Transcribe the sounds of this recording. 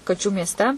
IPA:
kɐˈt͡ʃʲuː mʲiɛsʲˈtʲɛ

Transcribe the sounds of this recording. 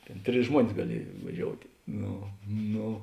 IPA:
ˈtʲeːn ˈtʲrʲɪs ˈʒmuɔnʲɪs ɡɐˈlʲiɛj ʋɐˈʒʲoːʊtʲeː ˈnoː ˈnoː

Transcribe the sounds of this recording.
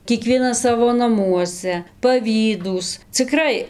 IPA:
kʲiɛˈkʋʲiɛnɐs ˈsɑːʋoː nɐˈmuɔsʲɛ pɐˈʋʲiːduːs t͡sʲɪˈkrɐɪ

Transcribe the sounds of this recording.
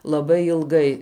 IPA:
lˠɐˈbɐɪ ɪlˠˈɡɐɪ

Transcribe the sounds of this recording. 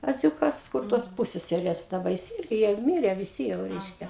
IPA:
ɐˈd͡zʲuːkɐs kʊr toːs ˈpuːsʲsʲɛsʲɛrʲeːs dɐˈbɐ ˈjɪs ˈɪrʲɡʲɪ jɛʊ ɪ ˈmʲɪrʲɛ ʋʲɪˈsʲɪ jɛʊ ˈrʲɛɪʃʲkʲɛ

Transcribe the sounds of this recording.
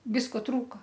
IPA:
ˈʋʲɪskoː ˈtruːkɐ

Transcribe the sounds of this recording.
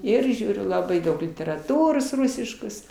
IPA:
ˈɪr ˈʒʲuːrʲʊ lˠɐˈbɐɪ ˈdɐʊk lʲɪtʲɛrɐˈtuːroːs ˈrʊsʲɪʃkoːs

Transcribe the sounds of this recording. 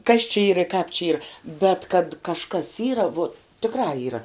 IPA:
kɐs t͡ʃʲɪ ˈiːr ɪ kɑːp t͡ʃʲɛ ˈiːr bʲɛt kɐt kɐʃˈkɐs ˈiːrɐ ʋuɔt tʲɪkˈrɑː ˈiːrɐ

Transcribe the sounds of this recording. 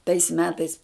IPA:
tɐɪs ˈmʲæːtɐɪs

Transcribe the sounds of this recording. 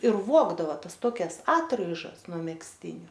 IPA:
ɪr ˈʋuɔɡdɐʋɐ ˈtɐs ˈtoːkʲɛs ˈɑːtrɐɪʒɐs nuɔ mʲɛksʲˈtʲɪnʲʊ

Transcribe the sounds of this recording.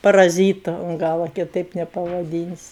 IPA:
pɐrɐˈzʲiːtʊ ʊn ˈɡɑːlˠɐ kʲɪˈtɐɪp nʲɛpɐʋɐˈdʲiːnʲsʲɪ

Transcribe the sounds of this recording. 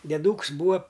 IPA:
dʲiɛˈduːks ˈbuːɐ

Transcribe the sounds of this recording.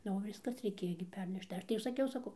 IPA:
ˈnʊ oː ˈʋʲɪskɐs rʲɛɪˈkʲeːjoː ɡʲɪ ˈpʲɛrʲnʲɛʃt tɐɪ ˈɐʃ tɐɪ jɛʊ sɐˈkʲɛʊ sɐˈkɐʊ

